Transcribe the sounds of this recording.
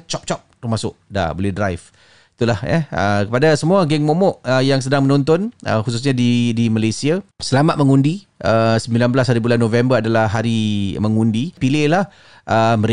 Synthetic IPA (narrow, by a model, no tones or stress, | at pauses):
t͡ʃɔp̚t͡ʃɔp̚t̪umasʊʔda̰bolɛhdɾajf | it̪ulahɛ̰ə̰kəpadasəmuaɡɛŋmomɔʔəjaŋs̬ədaŋmənɔ̃nt̪ɔnʔə̰xus̬us̬ɲadidimalajsiasəlamat̪̚məŋundi | əsəmbilanbəlashaɾibulanːovɛmbəɾadalahɦaɾiməŋundipilɪhlah | ʔəməɾ